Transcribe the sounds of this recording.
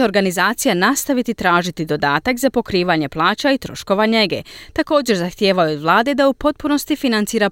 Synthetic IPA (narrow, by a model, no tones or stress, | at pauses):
o̞ɾɡanizaːt̪sijanast̪aʋit̪it̪ɾaːʒit̪id̪o̞d̪aːt̪akzapo̞kɾiːʋaɲe̞plˠaːt͡ɕait̪ɾo̞ʃko̞ʋaɲeɡḛt̪ako̞ːd͡ʑe̞ɾzaxt̪je̞ːʋajuod̪ʋlˠaːd̪e̞d̪aupo̞t̪̚puno̞st̪ifinant̪siːɾa